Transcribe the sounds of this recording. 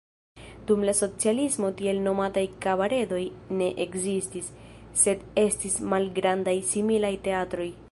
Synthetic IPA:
d̥umlaso̞t͡sialismo̞tie̞lno̞matajkabaɾe̞do̞jne̞ʔekzistisː | e̞de̞stismalɡɾandajsimilajte̞atɾo̞j

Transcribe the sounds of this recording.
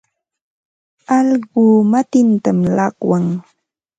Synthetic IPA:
ɑlɢʊːmat̪ɪnt̪amlɑqwaŋ

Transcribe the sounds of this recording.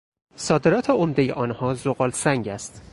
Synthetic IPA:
sɒːd̪e̞ɾɒːt̪ʰeomd̪ejḛʔɒːnhɒːzoɣɒːlsæŋɟæst̪

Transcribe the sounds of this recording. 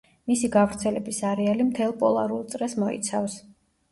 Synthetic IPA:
misiɡavɾt̪sʰɛlɛbisaɾɛalimt̪ʰɛlˠpʼɔlˠa̰ɾulˠt̪sʼɾɛsmɔḭt̪sʰafs

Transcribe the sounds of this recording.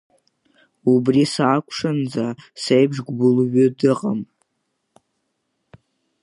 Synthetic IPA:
ubrisaːkʷʼʰʂand͡zasejbʐɡʷbʊlɥʏdɨqʼam

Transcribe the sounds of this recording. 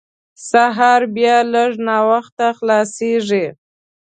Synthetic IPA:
saɦɑɾbjɑləʐnɑwaxt̪axlɑseʐi

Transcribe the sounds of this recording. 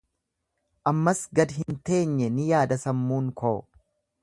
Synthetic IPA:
ʔɐmːɐsɡɐd̪ɦɪnt̪e̞ːɲːɛnɪjaːd̪ɐsɐmːuːŋkʰoːɔ

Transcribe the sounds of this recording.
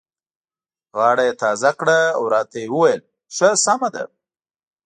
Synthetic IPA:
ɣɑːɽajet̪ɑzakɽaawɾɑt̪ajewəwajəl | ʂəsamad̪a̰

